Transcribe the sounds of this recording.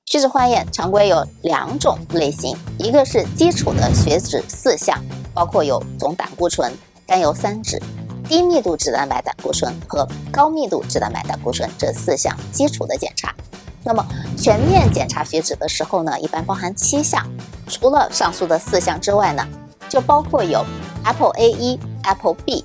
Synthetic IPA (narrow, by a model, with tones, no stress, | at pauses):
ɕɛ˧˥ʈ͡ʂɻ̩˨˩xwa˥˧njɛ˥˩nʈ͡ʂʰɑ˧˥ŋkwe˥ɪjo˧˥ʊljɑ̰˨˧˩ŋʈ͡ʂʊ˨˩˦ŋle˥˩ɪɕi˧˥ŋi˧˥ɡə˧ʂɻ̩˥˩t͡ɕi˥ʈ͡ʂʰṵ˨˩d̪ə˦ɕɥɛ˧˥ʈ͡ʂɻ̩˨˩sɹ̩˥˧ɕjɑ̰˥˩ŋpɑ˥ʊkʰwɔ˥˩jo˧˥ʊt͡sʊ˧˥ŋt̪a̰˨˩ŋku˥˩ʈ͡ʂʰwə˧˥n | k̪a˥njo˧˥ʊsa˥nʈ͡ʂɻ̩˨˩˦t̪i˥mi˥˧t̪u˥˩ʈ͡ʂɻ̩˥˩t̪a˧˥npa˧˥ɪt̪a̰˨˩ŋku˥˩ʈ͡ʂʰwə˧˥nxɤ˧˥kɑ˥ʊmi˥˧t̪u˥˩ʈ͡ʂɻ̩˥˩a˧˥npa̰˧˥ɪt̪a̰˨˩ŋku˥˩ʈ͡ʂʰwə˧˥nʈ͡ʂɤ˥˧sɹ̩˥˧ɕjɑ̰˥˧ŋt͡ɕi˥ʈ͡ʂʰu˨˩d̪ə˦t͡ɕjɛ̰˨˩nʈ͡ʂʰa̰˧˥na˥˩mə˩t͡ɕʰɥɛ˧˥nmjɛ˥˩nt͡ɕjɛ̰˨˩nʈ͡ʂʰa˧˥ɕɥɛ˧˥ʈ͡ʂɻ̩˨˩d̪ə˦ʂɻ̩˧˥xo˥˧ʊnə˩ʔḭ˥˩pa˥npɑ˥ʊxa˧˥nt͡ɕʰi˥ɕjɑ̰˥˩ŋʈ͡ʂʰu˧˥lə˧ʂɑ˥˧ŋsu˥d̪ə˨sɹ̩˥˧ɕjɑ˥˩ŋʈ͡ʂɻ̩˥wa˥˩ɪnə̰˩ | t͡ɕjo˥˩ʊpɑ˥ʊkʰwɔ˥˩jo˨˩ʊɛ˥pʰʔe˥ɪʔi˥ɛ˥pʰpi˥˩